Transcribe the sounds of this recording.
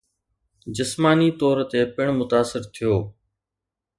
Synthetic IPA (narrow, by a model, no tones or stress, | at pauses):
d͡ʒɪsmaːniːt̪ɔːɾt̪eːpɪɳ̃mʊt̪aːsɪɾt̪ʰijoː